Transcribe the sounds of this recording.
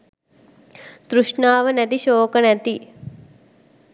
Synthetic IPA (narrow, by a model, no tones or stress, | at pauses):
d̪̥ɾuʂɳaːʋənɛt̪iʃoːkənɛt̪i